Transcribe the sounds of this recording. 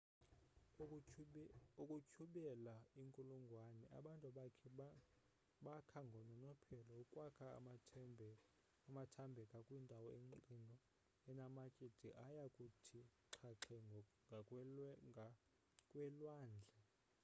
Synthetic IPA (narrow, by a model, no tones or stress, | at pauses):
ukʼucʰuɓɛlaiŋkʼuluŋɡʱwanɛʔa̰ɓantʼuɓakʰɛ | ɓakʰaŋɡʱɔnɔnɔpʰɛlɔukʼwakʰa | matʰambʱɛkʼakʼwindʱawɔeǃindʱʼɔ | ɛnamakʼid̥ʱiʔajakʼutʰiǁʰaǁʰɛ | kʼwɛlwaːnd͡ɮʱɛ